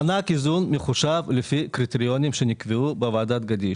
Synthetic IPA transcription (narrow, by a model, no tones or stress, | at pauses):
anakizunmeχuʃavlefikɾit̪eɾijo̞nimʃenikveubevaʕad̪at̪̚ɡad̪iʃ